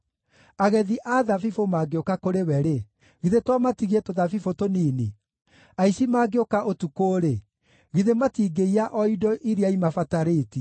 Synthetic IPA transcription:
aɣɛðiʔaðafifomaːɡeokakoɾewɛɾe | ɣiðetwamatiɣetoðafifotoniːni | aisimaːɡeokaʔotukoːɾe | ɣiðematiːɡeiaʔɔidɔʔiɾeaimafataɾeːti

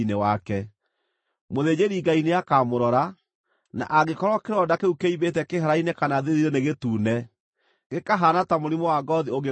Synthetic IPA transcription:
inewakɛ | moðed͡ʑeɾiɡaineakamoɾɔɾa | na̰ʔaɡekɔɾwɔkeɾɔdakeukeiβetɛkeɦaɾainekanaðeðiɾeneɣetuːnɛ | ɡekaɦanatamoɾimowaɡɔðioɡe

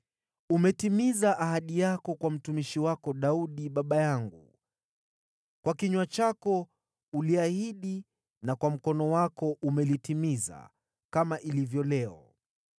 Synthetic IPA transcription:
umɛtimizaʔaɦaɗijakɔkwam̩tumiʃiwakɔɗauɗiɓaɓajaŋɡṵ | kwakiɲwat͡ʃakɔ | uliahiɗi | nakwam̩kɔnɔwakɔʔumɛlitimiza̰ | kamaʔilivjɔlɛɔ

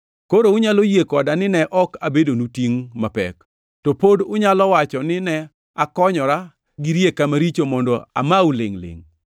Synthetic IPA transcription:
koɾoʊɲalojekɔdanɪnɛʔɔkabedonutiŋmapɛ̰k | tɔpodʊɲalɔwat͡ʃɔnɪnɛ | akɔɲɔɾa | ɡiɾjekamaɾit͡ʃomɔndɔa̰mauleŋlḛŋ

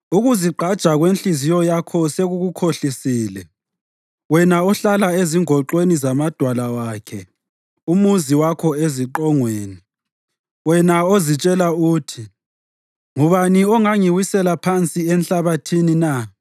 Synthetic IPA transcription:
uɣuziǃʱad̥ʒ̥ʱaɣwenɬizijɔjakʰɔseɣuɣukʰoɬisiːlɛ | wɛnaɔɬalaeziŋɔǃwenizamad̥ʱwalawaːkʰɛ | umuziwakʰɔeziǃɔŋweːni | wɛnaozit͡ʃʼɛlauːtʰi | ŋuβaniɔŋaŋiwisɛlapʰant͡sʼiɛnɬaβatʰinina

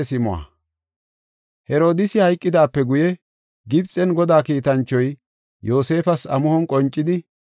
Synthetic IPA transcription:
sɪmʊwa̰ | hɛɾo̞ːd̪ɪsɪhɐjkʼːɪd̪aːpːɛɡʊjɛ | ɡɪbt͡sʼːɛnɡɔd̪aːkiːt̪ɐnt͡ʃːɔj | jo̞ːse̞ːfɐsɐmʊhɔnkʼɔnt͡ʃʼːɪd̪ɪ

